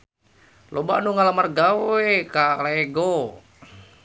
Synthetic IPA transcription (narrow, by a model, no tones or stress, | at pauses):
lʔoba̰ʔnuŋalamarɡawekaleɡo